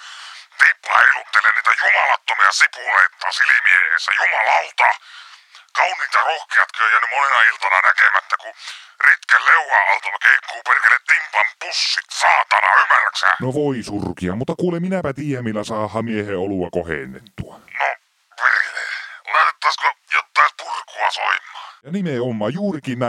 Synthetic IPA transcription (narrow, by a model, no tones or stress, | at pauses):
t̪ipːlɑ̰helut̪ːelenniːt̪æjumɑlɑt̪ːomiɑsipuleit̪ːɑsilimiehḛsːæ̰jumɑlɑlt̪ɑ | kɑunːˑiːt̪ɑrohkiɑt̪kiojæːnːymonenɑilt̪ɑnɑnækemæt̪ːækurit̪kælleuwɑɑlt̪ɑlkeikːuːperkælːet̪t̪implɑmpusːit̪sɑːt̪ɑnɑymːærksæ̰noʋoisurkiɑmut̪ːɑkuːlemminæpæt̪iːjæmmilːæsɑːhːˑɑmieheoluwɑkohḛnːḛt̪ːuɑno | perlelæt̪et̪ːɑˑiskojot̪ːɑˑispurkuɑso̰imːˑɑ̥ːjɑnimeomːˑɑːjuːrikiːnnæ